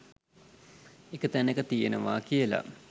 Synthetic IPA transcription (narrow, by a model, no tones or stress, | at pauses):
ekət̪ænekət̪ijenəʋa̰ːkijəla̰